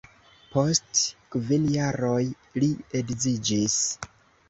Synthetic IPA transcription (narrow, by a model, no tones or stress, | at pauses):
po̞stkvinjaɾo̞j | lieɡzid͡ʒis